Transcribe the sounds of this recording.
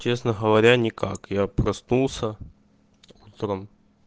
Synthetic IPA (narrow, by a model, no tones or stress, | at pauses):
t͡ɕe̞snəɣəvɐɾʲanʲɪkakjapɾɐsnulˠsʲə | ut̪ɾəm